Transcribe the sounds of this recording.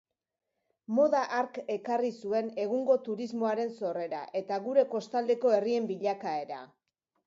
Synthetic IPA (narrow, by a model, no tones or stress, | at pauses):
mo̞ðaʔaɾke̞karisue̞ne̞ɣuŋɡo̞t̪uɾizmo̞aɾe̞nso̞re̞ɾa̰ʔe̞t̪aɣuɾe̞ko̞st̪ald̪e̞ko̞e̞rie̞mbiʎakae̞ɾa̰